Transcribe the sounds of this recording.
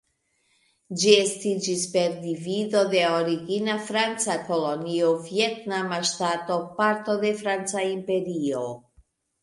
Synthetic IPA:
d͡ʒie̞stid͡ʒispe̞ɾdivido̞de̞oɾiɡinafɾant͡sako̞lo̞niovje̞tnamaʃtato̞paɾto̞d̪e̞fɾant͡saimpe̞ɾio̞

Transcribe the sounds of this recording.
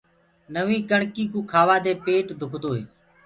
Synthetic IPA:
nəʋĩːkəɳkiːkũːkʰaːʋaːd̪eːpeːʈd̪ʱʊkʰd̪oːɦeː

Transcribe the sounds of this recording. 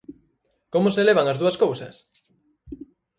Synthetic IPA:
komoseleβ̞aŋazðuɐskowsɐ̰s

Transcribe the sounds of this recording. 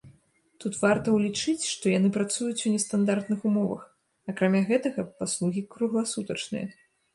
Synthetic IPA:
t̪ut̪vart̪ɐwlʲit͡ʂɨt͡sʲʂt̪ɔjanɨpɾat̪sujut͡sʲunʲɛst̪and̪art̪nɨxumɔvɐ̰x | ɐkɾamʲaɣɛt̪ɐɣɐpaslˠuɣʲikɾuɣlˠasut̪ɐt͡ʂnɨ̰jɐ̰

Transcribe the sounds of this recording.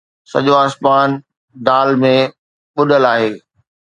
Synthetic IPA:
sɐ̰ʄoaːsmaːn | d̪aːlmẽ | ɓʊɗəlaːɦeː

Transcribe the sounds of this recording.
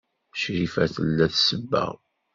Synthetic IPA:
ʃɾifæθəlːæθsəbːæ̰

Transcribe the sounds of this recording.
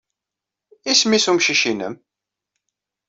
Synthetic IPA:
ismisumʃiʃinə̰m

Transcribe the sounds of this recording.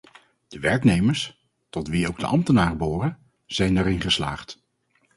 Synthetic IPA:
d̥əʋɛɹknejməɹs | tɔtʋiowɡ̚də̰ʔɑmtənaːrəbʊːrə | z̥ɛjnɛɾɪnχəsla̰ːχt

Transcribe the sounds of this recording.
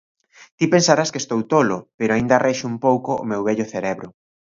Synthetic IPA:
t̪ipensaɾaskest̪owt̪olopeɾoaind̪ɐarʔeʃumpowko̰ːmewβɛʎʊθeɾeβɾʊ

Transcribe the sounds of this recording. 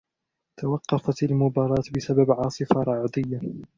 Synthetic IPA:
t̪awɑqːɑfat̪almʊbɑːɾˤɑːt̪bɪsababʕɑːsˤɨfaɾˤɑʕd̪ɪjːa

